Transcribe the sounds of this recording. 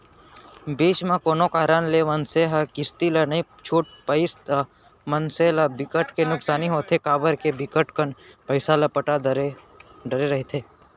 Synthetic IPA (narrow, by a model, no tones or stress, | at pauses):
beːt͡ʃmãkoːnokaːɾanlemənseɦɐkɪst̪ilɐnɐĩ | t͡ʃʰuːʈ̚pəɪst̪ə | mənselabɪkəʈkenʊksaːniɦoːt̪ʰekaːbəɾkebɪkəʈkəɳpəɪsalapəʈaɾ | ɖəɾeɾɐɦit̪ʰeː